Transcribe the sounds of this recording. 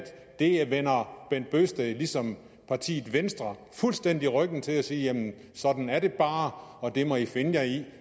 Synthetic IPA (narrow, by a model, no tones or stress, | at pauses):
d̥ | d̥e̝ʋen̰ɐb̥en̰d̥̚b̥øsd̥ælisɒ̽m | pʰɑ̈t͡sʰḭːð̩ˠʋensd̥ʁɐ | fulsd̥en̰d̥iʁœɡ̥n̩t͡sʰe̝læsiːjæmn̩ | sɒ̽d̥n̩æɐɾe̝b̥ɑ̈ːɒ̽d̥e̝mɒ̽ife̝nəjɑɪi